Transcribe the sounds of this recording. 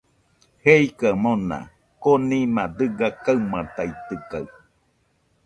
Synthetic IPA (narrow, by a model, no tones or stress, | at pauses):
heikamona̰ | konimad̪ɨɡakaɨmat̪ajt̪ɯkaɨ